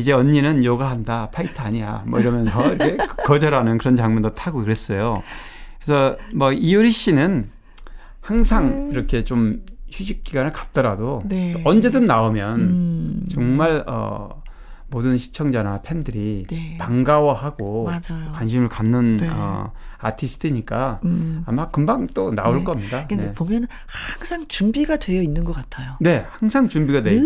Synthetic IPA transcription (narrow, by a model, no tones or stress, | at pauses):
id͡ʑe̞ʌɲːinɯnjʌɡaɦandapʰaitʰɯaɲija̰mʌiɾʌmjʌnsʰʌiɾkʰekkʌd͡ʑʌɾanɯnkɯɾʌnt͡ɕaŋmɯndotʰaɡokɯɾe̞s͈ʌjo | kɾesʰʌmʌiuɾiɕ͈inɯn | haŋsʰaŋiɾʌkʰe̞t͡ɕomçuɕʰik̚k͈ːiɡwanɯɭkḁt̚t͈ʌɾadoʌnd͡ʑe̞dɯnːaomjʌnt͡ɕʌŋmaɭʌ̰ | modɯnɕʰi̥t͡ɕʰʌŋd͡ʑanapʰe̞ndɯɾipaŋɡawʌhaɡoad͡ʑkwanɕ̬ʰimɯɭkanːɯnʌ̰a̰tʰisʰɯ̥tʰɯɲik͈aamakɯmbaŋt͈onaoɭk͈ʌmɲidanepomjʌn | haŋsʰaŋt͡ɕumbiɡadwe̞jʌinːɯnɡʌk͈atʰajone̞haŋsʰaŋt͡ɕumbiɡadwe̞